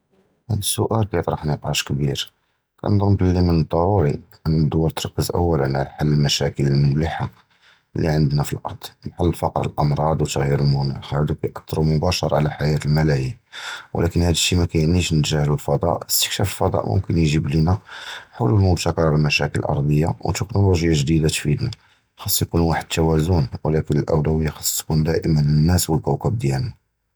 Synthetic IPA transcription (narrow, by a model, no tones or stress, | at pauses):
ʔæd̪əsːʊʔælkæjət̪ˤɾˤɑħnəq̪ˤʕɑʃkbiɾ | kæ̰nd̪ˤəmbəlːimənd̪ˤːɑɾuɾiʔənːəd̪ːʊwɑɾt̪ɾˤɑkːəzʔə̰wːælənʕalaħalːəlmæʃækələlməliħa | lːḭʕənd̪næfilʔɑ̰ɾˤd̪̥ˤlħalːfɑqɾˤə̰lʔɑmɾˤɑd̪ˤwt̪ːəɣhiɾəlmʊnæ̰xhæd̪ukæjʔɑt̪t̪ːɾumʊbæʃəɾˤʕalæħajæt̪əlmælæhiw̰lʔækənhæd̪əʃːimækæjniʃnət̪ʒahlulfɑd̪ˤɑ̰ʔəst̪ə̥kʃæfəlfɑd̪ˤɑ̰ʔmʊ̰mkənjʒiblinæħawlumʊbt̪ækɑɾˤɑɾˤəlmæʃækələlʔɑ̰ɾˤd̪ˤəjːa̰w̰t̪ːəknoluʒjaʒd̪id̪at̪fid̪næ | xɑsˤːjkunwaħəd̪̚t̪ːæwæzunwəlækənəlʔæ̰wlæwəjːaxɑ̥sˤːt̪kund̪æʔəmənənːæswəlkæwkæb̚d̪jælnæ